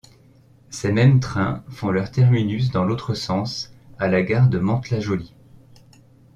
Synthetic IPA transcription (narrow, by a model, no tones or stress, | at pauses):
semɛmt̪χɛ̃fɔ̃lœʁt̪ɛʁminys̬d̪ɑ̃lot̪χəsɑ̃salaɡaʁd̪əmɑ̃t̪laʒɔli